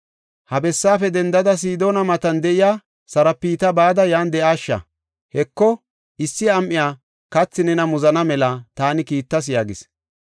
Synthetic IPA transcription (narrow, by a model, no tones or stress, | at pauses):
hɐbɛsːaːfɛd̪ɛnd̪ɐd̪ɐs̬iːd̪oːnɐmɐt̪ɐnd̪ɛʔɪjaː | sɐɾɐpːiːt̪ɐbaːd̪ɐjaːnd̪ɛʔaːʃːɐ̰ | hɛkːɔ | ʔɪsːɪɐmʔɪjaː | kɐt͡sːɪnɛnɐmʊzɐnɐmɛlɐt̪aːnɪkiːt̪ːɐs̬jaːɡɪs